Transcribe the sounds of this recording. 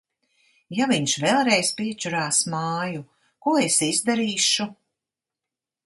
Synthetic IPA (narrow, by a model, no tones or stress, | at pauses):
javiɲʃvɛlˠɾejspiɛt͡ʃuɾaːsmaːju | kuɔesizd̪aɾiːʃu